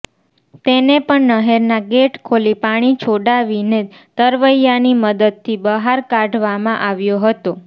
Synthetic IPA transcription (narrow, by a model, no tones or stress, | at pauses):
t̪enepəɳnəɦeɾnaɡeʈkʰolipaɽ̃it͡ʃʰoɽaʋine | t̪əɾʋəjaniməd̪əd̪̚t̪ʰibəɦaɾkaɖʱʋamãʔaʋjoɦət̪o